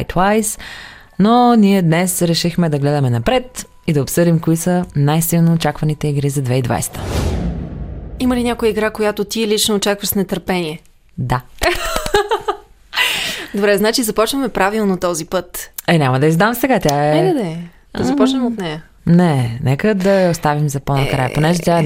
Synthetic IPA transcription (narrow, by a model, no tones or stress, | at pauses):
jt̪wajs | noniɛd̪nɛsɾɛʃixmɛd̪ɐɡlɛd̪ɐmɛnɐpɾɛt̪ | id̪ɐopsɤd̪imkoisənajsilˠnoːt͡ʃakvɐnit̪ɛiɡɾizɐd̪vɛid̪va̰jst̪ʰə̥ | iməlinʲakojəiɡɾakojat̪ot̪iɛlit͡ʃnoːt͡ʃakvəʃsnɛt̪əɾpɛniɛ | d̪a | d̪obɾɛznat͡ʃizɐpɔt͡ʃnəmɛpɾavilˠnot̪ɔzipɤt̪ɛnʲamɐd̪ɐizd̪amsɛɡat̪ʲjaɛɛəd̪ɛ | d̪ɐzɐpɔt͡ʃnəmot̪nɛjɐ | nɛnɛkəd̪ɐjɐost̪avimzɐponɐkɾa̰jə̰ponɛʒɛt̪ʲjaɛ